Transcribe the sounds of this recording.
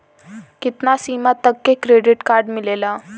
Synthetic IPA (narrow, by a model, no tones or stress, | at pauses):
kit̪nasimat̪ːəkːekɾeɖiʈkaɾɖmilela